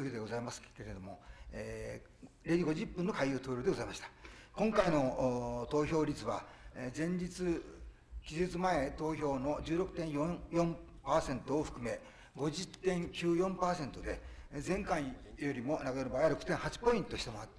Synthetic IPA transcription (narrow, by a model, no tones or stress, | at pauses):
çʲid̪e̞ɡo̞zaimasɨ̥ke̞ɾe̞d̪o̞mo̞eː | ɾʲeiɡo̞ʑipːɯ̃nːo̞kaijɯːt̪o̞ːɾʲoːd̪eozaimaɕi̥t̪ḁkõŋkaino̞t̪o̞ːço̞ːɾʲit͡sɨβa̰zẽ̞ɲ̟d͡ʑit͡sɨ | kʲizet͡sɨmae̞t̪o̞ːço̞ːno̞d͡ʑɨːɾo̞kɯ̟̥t̪ẽ̞ɰ̃jõjõ̞mpaːsẽ̞nt̪o̞ːɸɯ̟̥kɯ̟me̞ | ɡo̞ʑit̪ẽ̞ŋkʲɨːjõ̞mpaːsẽ̞nt̪o̞d̪e̞zẽ̞ŋkãɰ̃jo̞ɾʲimo̞nakad̪onobaːjaɾo̞kɯ̟̥t̪ẽɰ̃hat͡ɕi̥po̞ĩnt̪oɕi̥t̪emoat̪ː